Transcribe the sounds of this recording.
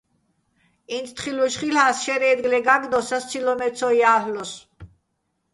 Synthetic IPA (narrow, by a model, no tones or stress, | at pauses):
insʰt̪χiluʃχilhaːsʃɛɾɛːd̪ɡlɛɡaɡd̪ɔsast̪t͡s̪ʰilɔmɛsʰɔiaːhlɔs